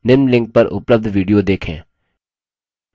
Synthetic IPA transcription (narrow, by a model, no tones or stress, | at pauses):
nɪɾmlɪ̃ŋk̚pɐɾʊ̰pləb̚d̪ʱʋiːɖijod̪eːkʰḛ̃ː